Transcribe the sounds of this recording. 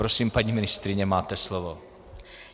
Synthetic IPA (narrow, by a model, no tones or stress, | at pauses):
ɾosiːmpaɲiːmɪnɪst̪ɾɪɲɛmaːt̪ɛslovo